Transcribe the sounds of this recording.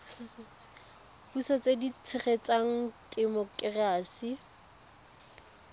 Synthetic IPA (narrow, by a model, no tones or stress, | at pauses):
busɔt͡sʼedit͡sʰɪχet͡sʼaŋ̩tʼɛmɔkʼraːsi